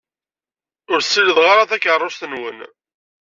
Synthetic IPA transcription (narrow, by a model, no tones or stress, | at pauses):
ʊɾsːiləðʁaɾaθækərˤːʊst̪ənwən